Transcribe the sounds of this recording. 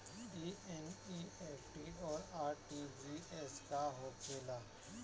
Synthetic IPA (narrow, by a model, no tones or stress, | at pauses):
iːɛnieːpʰʈiɔːɾaːɾʈid͡ʒiɛskaɦoːkʰeːlaː